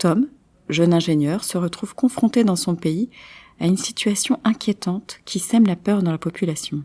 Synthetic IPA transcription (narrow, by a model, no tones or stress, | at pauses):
t̪ɔm | ʒœnɛ̃ʒeɲjœʁsəʁət̪χuv̥kɔ̃fχɔ̃t̪ed̪ɑ̃sɔ̃pei | aynsit̪ɥasjɔ̃ʔɛ̃kʲjet̪ɑ̃t̪kʲisɛmlapœʁd̪ɑ̃lapɔpylasjɔ̃